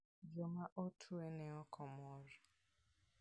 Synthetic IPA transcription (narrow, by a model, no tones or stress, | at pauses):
d͡ʒomaʔotʰueneɔkʰɔmɔɾɔ